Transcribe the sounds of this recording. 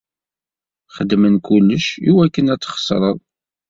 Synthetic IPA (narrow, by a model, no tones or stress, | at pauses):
χəd̪mənkʊlːəʃiwækːənæt͡sːχə̥sˤɾˤəðˤ